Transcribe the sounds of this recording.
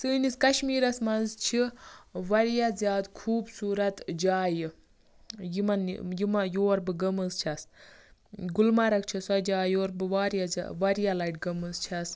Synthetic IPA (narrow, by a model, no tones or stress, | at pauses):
sɨːniskɐʃmiːɾɐsmɐnzt͡ʃʰiʋɐɾjazʲjaːd̪kʰuːbsuːɾɐt̪d͡ʒaːjɨ | jimɐn̰jimajoːɐɾbɨɡɐmɐzt͡ʃʰɐs | ɡulmɐɾɐkt͡ʃʰisɐd͡ʒaːjoːɾbɨʋaːɾjazʲa̰ʋɐɾjalɐjʈɡɐmɐzt͡ʃʰas